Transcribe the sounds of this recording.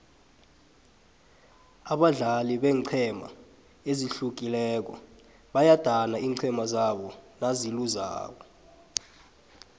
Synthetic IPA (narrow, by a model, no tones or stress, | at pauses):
aɓaɮaliɓɛːǀʰɛma̰ | eziɬuk̬ilɛːk̬ɔ̰ | ɓajad̥ʱanaʔiːǀʰɛmazaɓɔnaziluza̰ːɓɔ